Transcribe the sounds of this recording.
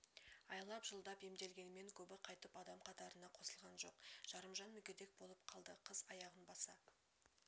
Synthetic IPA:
ɑjlˠɑpʒəlˠd̪ɑpe̞md̪e̞lɡʲe̞nme̞ŋkʲʰɵbɪqʰɑjt̪əpɑd̪ɑmqʰɑt̪ɑɾənɑqʰo̞səlˠʁɑnʒo̞qʒ̥ɑɾəmʒɑnmʏkʲed̪ek̚bo̞lˠəp̚qʰɑlˠd̪əqʰəz̥ɑjɑʁənbɑsɑ

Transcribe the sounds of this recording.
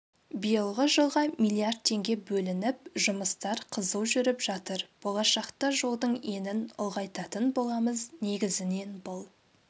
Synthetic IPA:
bijəlˠʁəʒəlˠʁɑmijlˠijard̪̚t̪ʰe̞ŋɡʲe̞bɵlɪnɪpʒʊməst̪ɑɾqʰəzəlˠʒʏɾɪpʒɑt̪əɾb̥o̞lˠɑʃɑqt̪ɑʒo̞lˠd̪əɴe̞nɪnʊ̰lˠʁɑjt̪ɑt̪ənbo̞lˠɑməzne̞ɡʲɪzɪne̞nbʊlˠ

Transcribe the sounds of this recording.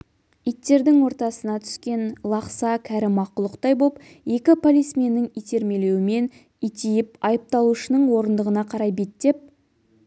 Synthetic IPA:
ijt̪ːe̞ɾd̪ɪŋwo̞ɾt̪ɑsənɑt̪ʰʏ̥skʲe̞nlˠɑqsɑkʲʰæɾɪmɑqʊlˠəqt̪ɑjbop | je̞kʲɪpʰolʲismenːɪŋijt̪e̞ɾme̞le̞wɪme̞n | ijt̪ijɪpɑjəp̚t̪ɑlˠuʃənəɴwo̞ɾənd̪əʁənɑqʰɑɾɑjbet̪ːe̞p̚

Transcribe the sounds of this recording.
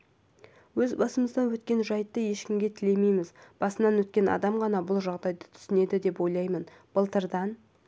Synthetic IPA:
wɵzbɑsəməzd̪ɑnwɵt̪kʲe̞nʒɑjət̪ːəje̞ʃkʲɪmɡʲe̞t̪ʰɪle̞me̞jmɪzb̥ɑsənɑnwɵt̪̚kʲe̞nɑ̰d̪ɑmʁɑnɑbʊlˠʒɑʁd̪ɑjd̪ə̥t̪ʰʏ̥sɪne̞d̪ɪd̪e̞pwo̞jlˠɑjmən | b̥əlˠt̪əɾd̪ɑn

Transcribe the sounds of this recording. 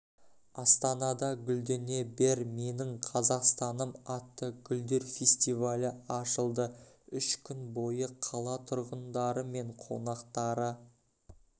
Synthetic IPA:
ɑst̪ɑnɑd̪ɑɡʲʏld̪ene̞be̞ɾme̞nɪɴqʰɑzɑqst̪ɑnəmɑt̪ːəɡ̥ʲʏld̪e̞ɾfesʲt̪ivalʲɪɑʃəlˠd̪əʏʃkʲʰʏnbo̞jəqʰɑlˠɑt̪ʰʊɾʁənd̪ɑɾəme̞ɴqʰo̰nɑqt̪ɑɾə

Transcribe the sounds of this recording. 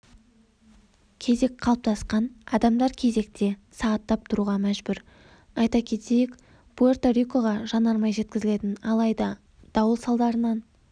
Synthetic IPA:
kʲʰe̞ze̞kqʰɑlˠəp̚t̪ʰɑsqɑnɑd̪ɑmd̪ɑɾkʲʰe̞ze̞k̚t̪ʰe̞sɑʁɑt̪ːɑp̚t̪ʰʊɾuʁɑmæʒbʏɾ | ɑjt̪ɑkʲʰe̞t̪e̞jɪk | b̥uert̪oɾʲikoʁɑʒɑnɑɾmɑjʒe̞t̪̚kʲɪzɪle̞t̪ɪnɑlˠɑjd̪ɑ | d̪̥ɑwəlˠsɑlˠd̪ɑɾənɑn

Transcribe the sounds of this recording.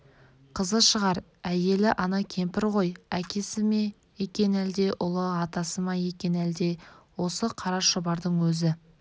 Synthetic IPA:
qʰəzəʃəʁɑɾ | æje̞lɪʔɑnɑkʲʰe̞mpɪɾʁo̞jækʲe̞sɪme | je̞kʲe̞næld̪e̞ʔʊlˠəɑt̪ɑsəmɑje̞kʲe̞næld̪e̞wo̞səqʰɑɾɑʃobɑɾd̪əɴwɵzɪ

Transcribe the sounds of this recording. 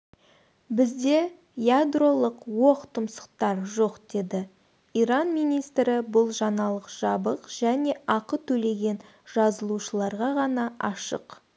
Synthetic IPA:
bɪzd̪e̞ | jad̪ro̞lˠəqwo̞qt̪ʰəmsə̥qt̪ɑɾʒo̞qd̪̥e̞d̪ɪ | iɾɑnmijnijst̪ɾɪbʊlˠʒɑnɑlˠəqʒ̥ɑbəqʒ̥æne̞ɑqət̪ʰɵle̞ɡʲe̞n | ʒ̥ɑzəlˠuʃəlˠɑɾʁɑʁɑnɑɑʃə̰q

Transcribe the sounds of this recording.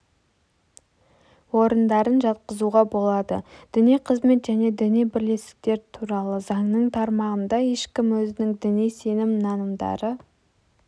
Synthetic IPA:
wo̞ɾənd̪ɑɾənʒɑt̪̚qəzuʁɑbo̞lˠɑd̪ə̰d̪̥ɪnijqʰəzme̞t̪ʒæne̞d̪ɪnijbɪɾle̞st̪ɪ̥k̚t̪e̞ɾt̪ʰuɾɑlˠəzɑŋnəɴt̪ʰɑɾmɑʁənd̪ɑje̞ʃkʲɪmwɵzɪnɪŋd̪ɪnijse̞nɪmnɑnəmd̪ɑ̰ɾə

